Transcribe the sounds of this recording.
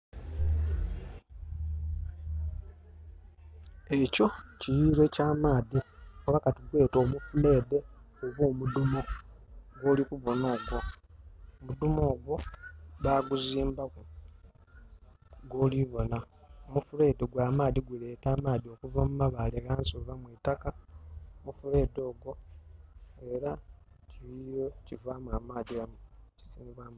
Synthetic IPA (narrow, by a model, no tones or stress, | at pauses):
e̞co̞cijiːɾe̞caːmaːðioβakatiɡwe̞ːto̞ːmufule̞ːde̞ | oβoːmudumo̞ | ɡo̞ːlikuβo̞no̞ːɡwo | omud̪umoːɡwo̞βaɡuziːmbaku | ɡoːliβo̞na | omufule̞ːdeɡwaːmaːðiɡwile̞ːtaːmaːðio̞kuvamumaβaleɣaːnsovamwiːtakamufule̞ːdo̞ːɡo̞ | e̞ɾa | ciβijocivamwamaːdiamuci̥siːniβwam